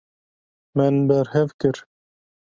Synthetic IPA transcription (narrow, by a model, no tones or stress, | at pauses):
mɛnbɛɾhɛvkɨɾ